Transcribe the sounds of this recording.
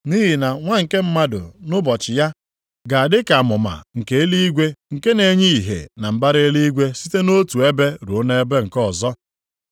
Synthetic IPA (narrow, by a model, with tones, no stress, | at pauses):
ni˦ɦi˨na˨ŋʷa˦ŋ̩˨ke˦m̩˦ma˦dʊ̰˨nʊ˦bɔ˨t͡ʃɪ˨ja˦ | ɡa˨a˨dɪ˦ka˨a˨mʊ˨ma̰˨ŋ̩˨ke˦e˦li˦i˦ɡʷe˦ŋ̩˨ke˦ne˨˦ɲi˦i˨ɦḛ˨na˨m̩˨ba˦ɾe˦li˦i˦ɡʷe˦si˦te˦no˦tu˨e˦be˦ɾu˨o˦ne˦be˦ŋ̩˨kɔ˦˨zɔ˦